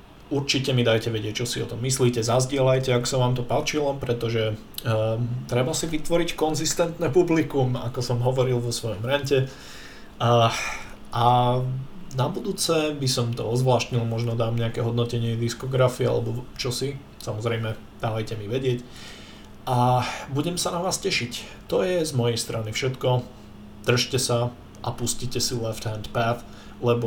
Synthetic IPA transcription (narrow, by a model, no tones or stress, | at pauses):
uɾt͡ʃicɛmid̪ajcɛʋɛɟɪɛc̚t͡ʃɔsiɔt̪ɔmːisliːcɛzazɟɪɛlajcɛakɔ̥saʋaːmt̪ɔpat͡ʃilɔpɾɛt̪ɔʒɛ | t̪ɾɛbasiʋit̪ʋɔɾickɔnzist̪ɛnt̪nɛpublikuma̰kɔsɔmɦɔʋɔɾilʋɔsʋɔjɔmɾɛɲcɛ | ʔa | nabud̪uːt͡sɛbisɔmt̪ɔɔzʋlaːʃt̪ɲilˠmɔʒnɔd̪aːmɲɛakɛɦɔd̪nɔcɛɲɪɛd̪iskɔɡɾafiɛa̰lɛbɔt͡ʃɔsi | samɔzɾɛjmɛ | d̪̥alɛjcɛmiʋɛɟɪɛc | ʔabuɟɛmsanaʋaːscɛʃic | t̪ɔjɛzmɔjɛjst̪ɾanifʃɛt̪kɔ | d̪̥r̩ʃcɛsa | ʔapuscicɛsilɛft̪hɛnd̪paθ | lɛbɔ